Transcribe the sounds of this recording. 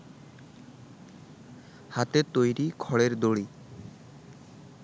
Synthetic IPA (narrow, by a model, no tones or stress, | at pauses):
hat̪et̪ojɾikʰɔɭeɾd̪oɽi